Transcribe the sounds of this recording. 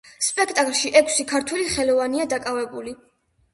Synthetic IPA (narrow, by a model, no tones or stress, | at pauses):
spʼɛkʰt̪ʼakʼlˠʃiʔɛkʰsikʰaɾt̪ʰwɛliχɛlɔvaniad̪akʼavɛbuli